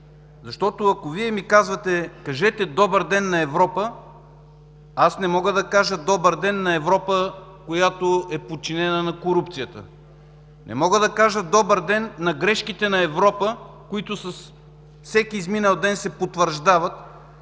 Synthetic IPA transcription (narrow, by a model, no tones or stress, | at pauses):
zɐʃt̪ɔt̪ʊɐkoviɛmikazvət̪ɛkɐʒɛt̪ɛd̪ɔbəɾd̪ɛnːɐɛvɾɔpə | asnɛmɔɡəd̪ɐkaʒəd̪ɔbəɾd̪ɛnːɐɛvɾɔpəkojat̪oɛpot͡ʃinɛnənɐkoɾupt̪sijət̪ə̰ | nʔɛ̰mɔɡəd̪ɐkaʒəd̪ɔbəɾd̪ɛnːɐɡɾɛʃkit̪ɛnɐɛvɾɔpə | kʊit̪ʊsɐs | fsɛkiːzminɛlˠd̪ɛnsɛpot̪vəɾʒd̪avɐt̪